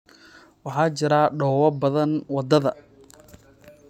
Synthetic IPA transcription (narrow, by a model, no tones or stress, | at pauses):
wɑħɑːt͡ʃɪɾaːɖɔːwɐbɐðɐnwɑd̪ɐðɐ